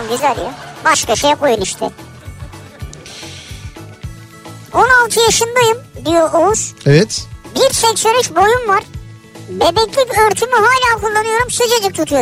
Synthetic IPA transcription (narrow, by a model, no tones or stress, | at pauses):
mɟyzælʲjabaʃkaʃejkʰo̞junyʃt̪ʰɪ̰ | onalˠt̪ʰɯjaʃɯnd̪ajɯmd̪ijo̞ʔuz̥evɛt̪biɾʃɛjsøɾɛʃbo̞jumvaɾ̥ | bed̪ɛclʲipøɾt̪ʰymyɦaːlʲaːkʰulˠːanɯjo̞ɾumsød͡ʒed͡ʒɛc̚t̪ʰut̪ʰujo